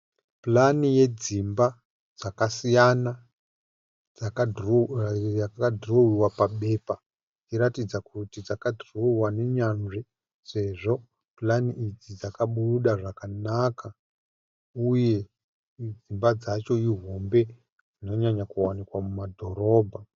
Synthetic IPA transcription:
planije̞d͡zimba | d͡zakasijana | d͡za | jakakadʱrowiwapaɓe̞pa | iɾatid͡zakutid͡zakadʱrowane̞ɲanʐi | se̞ʐo̞ | planiʔid͡zid͡zakaɓuruɗaʐakanaka | uje̞ | d͡zimbad͡zat͡ʃo̞iɦo̞mbe̞ | d͡zino̞ɲaɲakuwanikwamumadʱo̞ɾo̞ːbʱa

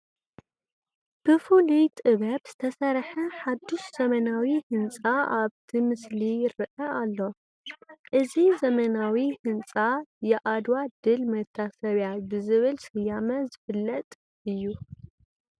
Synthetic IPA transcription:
b̥ɨfulit̪ʼɨβɐbz̥ɨt̪ʰɐsɐɾħɐħad̪uʃz̥ɐmɐnawihɨnt͡sʼaaβt̪ʰimɨslijɪɾɨʔɐalːo̞ | ʔɨzizɐmɐnawihɨnt͡sʼajɛʔad̪wad̪ɨlmɐt̪ʰːasɐβjabɨzɨβɨlsɨjamɐzɨfɨlːɐt̪ʼ | ɨjːu

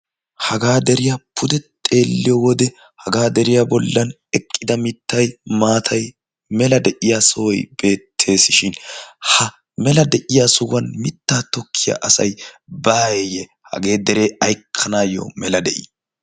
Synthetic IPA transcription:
hɐɡaːd̪ɛɾɪjapʰʊd̪ɛt̪ʼe̞ːlːɪjɔwɔd̪ɛ | hɐɡaːd̪ɛɾɪjabɔlːɐn | ɛkʼːɪd̪ɐmɪt̪ːɐjmaːt̪ʰɐj | mɛlɐd̪ɛʔɪjasɔwɔjb̥e̞ːt̪ʰːe̞ːsɪʃɪnhɐ | mɛlɐd̪ɛʔɪjasʊwɐnmɪt̪ːaːt̪ɔkʰːɪja̰ʔɐsɐjbaːjejɛ | hɐ̰ɡe̞ːd̪ɛɾe̞ːɐjkʰːɐnaːjo̰mɛlɐd̪ɛʔḭ

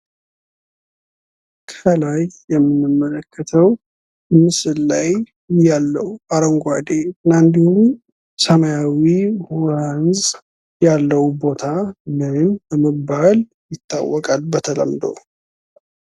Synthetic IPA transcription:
kʰəlajjɛmːɨnːɨmːələkʰːət̪ʰəw | mɨsɨlːaj | ɪjːalːəhuaɾoŋɡad̪eɨnːaɨnd̪ihum | səməjawihanz | jalːəwbo̞t̪ʰamɨnbəməbal | jɪt̪ʰːa̰wːɔkʼalbət̪ʰələ̰md̪o̰

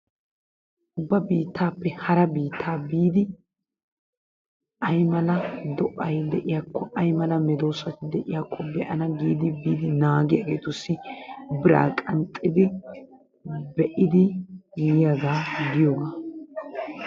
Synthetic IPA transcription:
ʔʊbːɐbiːt̪ːaːpːɛhɐɾɐbiːt̪ʰːaːbiːd̪ɪ | ɐjmɐlɐd̪ɔʔɐjd̪ɛʔɪjaːkʰːɔʔɐjmɐlɐmɛd̪o̞ːsɐt̪ɪd̪ɛʔɪjaːkʰːɔbɛʔɐnɐɡiːd̪ɪbiːd̪ɪnaːɡɪjɐɡeːt̪ʊsːɪbɪɾa̰ːkʼɐnt̪ʼːɪd̪ɪ | bɛʔɪd̪ɪjɪjɐɡaːɡɪjoːɡaː

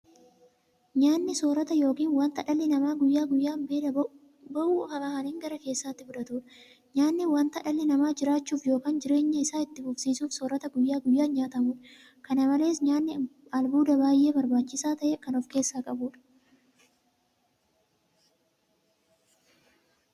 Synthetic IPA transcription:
ɲaːnːɪsoːɾɐt̪ɐjo̞ːkiːnwɐnt̪ɐᶑɐlːɪnɐmaːɡʊjːaːɡʊjːaːmbeːᶑɐ | bɐʔuːhɐkɐhɐniːŋɡɐɾɐke̞ːsːaːt̪ːɪfʊᶑɐt̪uːᶑɐ̥ | ɲaːnːɪwɐnt̪ɐᶑɐlːɪnɐmaːd͡ʒɪɾaːt͡ʃːuːfjo̞ːkaːnd͡ʒɪɾe̞ːɲːɐɪsaːɪt̪ːɪfʊfsiːsuːfsoːɾɐt̪ɐɡʊjːaːɡʊjːaːnɲaːt̪ɐmuːᶑɐ̥ | kɐnɐmɐle̞ːs̬ɲaːnːɪɐlbuːd̪ɐbaːjːe̞ːbɐɾbaːt͡ʃːɪsaːt̪ɐʔɛkɐnɔfke̞ːsːaːkʼɐbuːᶑɐ̥

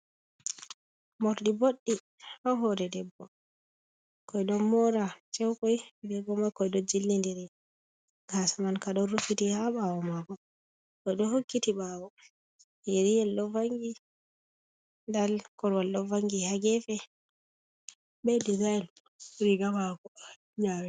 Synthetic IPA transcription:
mɔɾɗiboɗːi | ʔɔɦɔɾɛdɛbːɔ | kɔjɗɔnmɔɾat͡ʃɛwkɔjdɛbɔmakɔjdɔd͡ʒilːindɛɾɛ | ɡasamankaɗɔnɾufitihaɓawɔmaɡɔ | kɔjɗɔhokːitiɓawɔ | jeɾijɛlːɔvaŋɡi | ndalkɔɾwalːɔvaŋɡihaɡɛfɛ | bɛdizaɛl | uɾiɡamakɔ | ɲawɛ

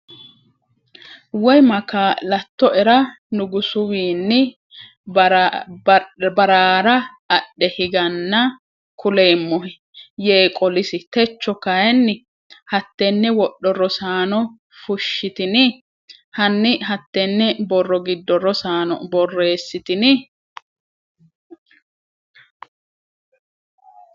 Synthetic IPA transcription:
wɔjmɐkalɐt̪ːɔʔɛɾɐ | nʊɡʊsʊwiːnːɪ | bɐɾaːɾɐ | ɐɗːɛhɪɡɐnːɐ | kʰʊle̞ːmːɔɦɪ | jeːkʼɔlɪsɪt̪ɛt͡ʃːɔkɐjɛnːɪ | hɐt̪ːenːɛwɔɗːɔrːɔsaːnɔ | fʊʃːɪt̪ɪnɪ | hɐnːɪɦɐt̪ːenːɛbɔrːɔɡɪd̪ːɔrːɔsaːnɔ̰bɔrːeːsːɪt̪ɪnɪ

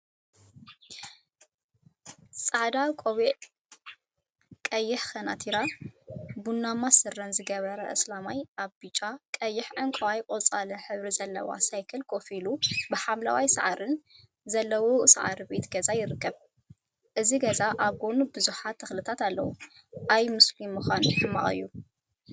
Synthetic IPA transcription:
sʼaʕd̪akʼoβiʔ | kʼɐjːɪħkɐnat̪ʰiɾa | bunːamasɨrːɐnzɨɡɐβɐɾɐʔɨslamajʔaβbit͡ʃʼakʼɐjːɪħʕɨŋkʼɐwajkʼot͡sʼalɨnħɨβɾizɐlːɐ̰wa̰sajkʰɨlkʰofilubɨħamla̰wajsɐʕaɾɨn | zɐlːɐwosa̰ʕa̰ɾibe̞t̪ɡ̥ɐzajɪɾɨkːɐβ | ʔɨziɡɐzaʔaβɡonubɨzuħat̪ʰːɨxlɨt̪ʰat̪alːɐ̰wṵ | ʔajmʊslimːɨxanħɨma̰χʼɨ̰jːu

